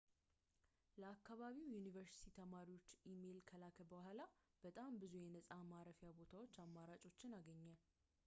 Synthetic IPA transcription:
ləakːaβaβiwjunivəɾsi̥t̪ʰit̪ʰəmaɾiwo̞t͡ʃːime̞lkʰəlakʰəbəhʷala | b̥ət̪ʼambɨzujɛnəsʼamaɾəfijabo̞t̪ʰawo̞t͡ʃːamːaɾat͡ʃʼo̞t͡ʃːɪnaɡəɲːal

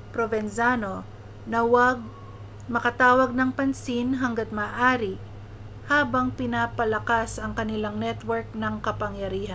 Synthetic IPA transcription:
pɾovɛnsaːno | nɐwɐɡ̚ | mɐkɐt̪aːwɐɡ̚nɐŋpɐnsinɦɐŋɡɐt̪̚mɐːʔaːɾi | haːbɐŋpɪnaːpɐlɐkasɐŋkɐnɪlaŋnɛt̪wɛɹk̚nɐŋkɐpɐŋjɐɾiːhɐn

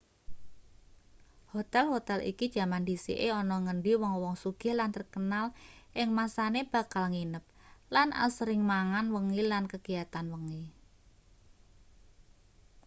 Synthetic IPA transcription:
hot̪ɛlɦot̪ɛlʔḭkid̥ʒ̥a̤mandisḭʔeɔnɔŋəɳɖiwɔŋwɔŋsuɡ̥ɛ̤lant̪ərkənalʔɪŋmasaneb̥a̤kalŋinəp̚lanʔa̰lsəɾɪŋmaŋanwəŋilankəɡ̥ijat̪anwəŋi

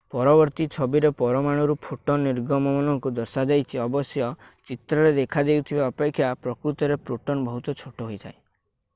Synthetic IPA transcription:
pɔɾɔbɔɾt̪it͡ʃʰɔbiɾepɔɾɔmaɽ̃ɔɾupʰoʈɔnːiɾɡɔmɔmɔnɔŋkud̪ɔɾsad͡ʒajt͡ʃʰiɔbɔsjɔt͡ʃit̪ɾɔɾed̪ekʰad̪ewt̪ʰibaɔpekʰːjapɾɔkɾut̪ɔɾepɾuʈɔnbɔɦut̪ɔt͡ʃʰoʈɔɦojt̪ʰae

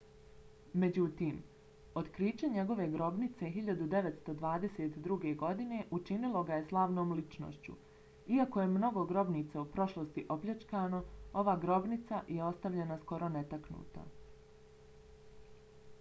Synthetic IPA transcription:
me̞d͡ʑut̪iːm | ot̪kɾiːt͡ɕeɲe̞ɡo̞ʋe̞ɡɾo̞bnit̪se̞ɦiʎad̪ud̪e̞ʋet̪st̪o̞d̪ʋaːd̪e̞set̪d̪ɾuɡe̞ɡo̞d̪ine̞ʔut͡ʃinilˠoɡaje̞slˠaːʋno̞ːmlit͡ʃno̰ʃt͡ɕṵ | iako̞je̞mno̞ɡo̞ɡɾo̞bniːt̪saupɾo̞ʃlˠost̪iʔo̞pʎʲet͡ʃkaːno̞o̞ʋaːɡɾo̞bnit̪sajʔeo̞st̪aʋʎe̞nasko̞ɾo̞ne̞t̪aknṵːt̪a̰

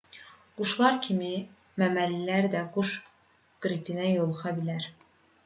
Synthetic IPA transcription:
ɡ̥uʃlˠɑɾcʰimi | mæmælːilæɾd̪æɡuʃ | ɡ̥ɾipʰinæjolˠuχɑbilæɾ

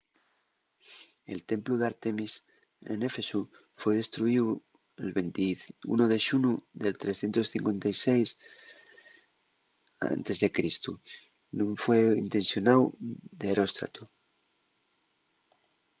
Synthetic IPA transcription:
e̞lt̪e̞mpluðaɾt̪emis | ḛne̞fe̞su | fwejð̞e̞st̪ɾuiu | elβent̪iṵnoðeʃunuðelt̪ɾesθjent̪osθiŋkwe̞nt̪ajsejs | a̰nt̪e̞zðe̞kɾist̪u | nũɱfweint̪ẽ̞nsjonawd̪eːɾost̪ɾa̰t̪u

